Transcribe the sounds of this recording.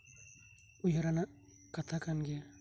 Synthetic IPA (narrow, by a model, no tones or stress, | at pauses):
ujaɾanaʔ | kat̪ʰakanɡɛja